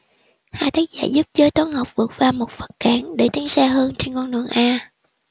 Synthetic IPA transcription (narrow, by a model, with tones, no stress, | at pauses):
haː˧˨t̪ʰə˨˦jk̚za̰ː˧˩jzu˦˥p̚zəː˨˦jt̪waː˨˦nhə˨˩wk͡p̚vɨ˨˩ət̚vaː˨˩wmo˨˩t̚fə̥˨˩t̚kaː˧˩˦nɗe˧˩t̪i˨˦ənsaː˧ɦəː˧nt͡ɕe˧nkɔ˧nnṵ˧˨əŋʔaː˧